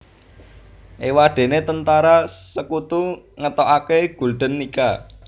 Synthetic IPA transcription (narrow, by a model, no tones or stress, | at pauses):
ʔewaɖ̥e̤net̪ənt̪aɾasəkut̪uŋət̪oʔakeɡ̥ṳlɖ̪̥ə̤nːika